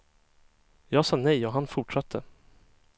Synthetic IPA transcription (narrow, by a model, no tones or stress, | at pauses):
jɑːɡsɑːnɛjɔɦanfʊʈʂat̪ʰːə